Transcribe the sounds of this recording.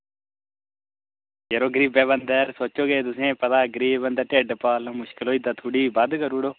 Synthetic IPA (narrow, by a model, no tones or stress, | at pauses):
jeɾoːɡɾiːbɛbɐnd̪əɾsoːt͡ʃoːɡed̪ʊs̬ẽːpɐt̪aːɡɾiːbənd̪əʈeːɖpaːlə̃mʊʃkɪloːid̪at̪ʰuɽiːbad̪kəɾuːɽoː